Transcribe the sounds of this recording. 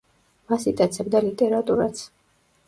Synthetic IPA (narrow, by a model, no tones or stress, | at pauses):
masit̪ʼat̪sʰɛbd̪alit̪ʼɛɾat̪ʼuɾasʰ